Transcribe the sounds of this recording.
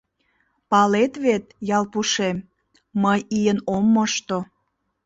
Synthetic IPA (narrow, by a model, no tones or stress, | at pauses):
pɑlet̪βet̪̚jɑlpuʃem | məjijənomːəʃt̪o